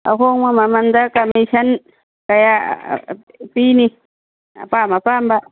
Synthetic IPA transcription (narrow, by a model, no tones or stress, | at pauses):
a̰koŋamamand̪akamaiʃan | kaja̰ | pini | a̰pamapamba